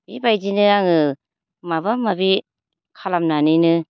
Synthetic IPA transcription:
ibajzinɯaŋɯ | maβamabi | kʰalamnaninɯ

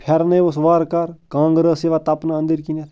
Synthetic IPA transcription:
pʰɐɾnɐjʋosʋaːɾkɐɾkãːŋɡɾəseʋaːt̪ɐpnaə̃nd̪iɾkinet̪

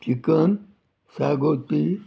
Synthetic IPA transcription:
t͡ʃikɐn | saːɡoːt̪i

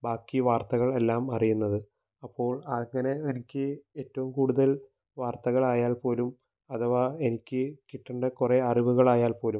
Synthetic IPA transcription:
baːkːiʋaːrt̪ɐɣɐɭe̞lːaːmɐrijunːɐðɨ | ɐpːo̞ːɭaːɭŋɐneenikʲːɨe̞ːtːɐʋumkuːɽuðɐl | ʋaːrt̪ɐɣɐɭaːjaːlpo̞ːlum | ɐðɐʋae̞nikʲːɨkiʈːɐɳɖɨkureɐriʋuɣɐɭaːjaːlpo̞ːlum

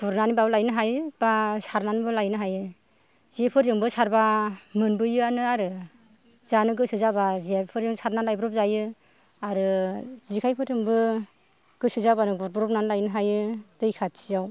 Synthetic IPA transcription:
b̥uɾnanibabɯlajnɯɦajb̥asaɾnanibɯlajnɯɦajɯ | ziepʰɯɾzɯŋbɯsaɾbamɯnbɯjɯanɯaɾɯ | zanɯɡɯsɯzabaziapʰɯɾɯŋsaɾnalajbɾɔp̚zajɯ | aɾɯzikʰajpʰɯɾɯŋbɯ | ɡ̥ɯsɯzabanɯɡuɾ̚bɔɾɔp̚nanlajnɯɦajɯdɯjkʰat̚sijaw

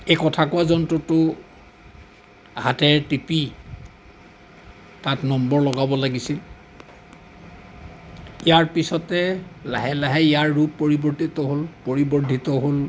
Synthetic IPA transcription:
ekɔtʰakʊwazɔntɹɔtʊ | hatɛɹtipi | tatnɔmbɔɹlɔɡabɔlaɡisil | ijaɹpisɔtɛla̰ɦɛlaɦɛijaɹːupːoɹibɔɹtit̪ɔɦolpoɹibɔɹdʱitɔɦol

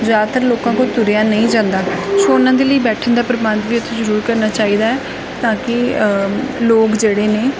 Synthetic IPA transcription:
zaːt̪əɾloːkãːkõːt̪ʊɾjaːnəĩːd͡ʒãːnd̪aːsoːʊnãːd̪eːləiːbɛːʈʰənd̪aːpɾəmaːnʋiːʊt̪ʰːẽːzəɾuːɾkəɾnaːt͡ʃaːiːd̪aːɛː | t̪ãːkɪ | loːkd͡ʒeːɽeːneː

